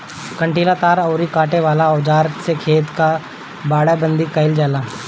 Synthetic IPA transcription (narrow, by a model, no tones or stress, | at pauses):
kə̃ɳʈiːlat̪aːɾɔːɾikaːʈeʋaːlaɔːd͡ʒaːɾsekʰeːt̪ka | baːɽabə̃nd̪ikəɪld͡ʒɛːlaː